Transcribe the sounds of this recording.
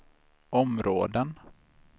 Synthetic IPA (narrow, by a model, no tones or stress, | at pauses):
ɔmɾoːd̪ən